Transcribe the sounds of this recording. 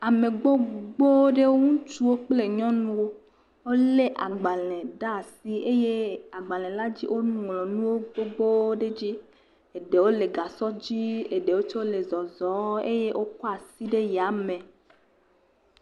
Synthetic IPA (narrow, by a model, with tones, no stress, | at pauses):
a˨me˨ɡ͡bo˦ɡ͡bo˦wo˦ɖe˦wo˦ŋũ˦t͡ʃu˦wo˦k͡ple˦˨ɲɔ̃˦nũ˦wo˦ | wo˦le˦ʔa˨ɡ͡ba˨lɛ̃˨ɖa˦˨si˦e˦je˦a˨ɡ͡ba˨lɛ̃˨la˦d͡ʑi˦ʔo˦nũ˨lɔ̃˨nũ˦wo˦ɡ͡bo˦ɡ͡bo˦wo˦ɖe˦d͡ʑi˦ | e˨ɖe˨wo˦le˨ɡa˨sɔ˦d͡ʑi˦e˨ɖe˨wo˦t͡ʃɔ˦le˨zɔ˨zɔ˨˦e˦je˦ʔo˦kɔ˦a˨si˦ɖe˦ja˨mẽ˨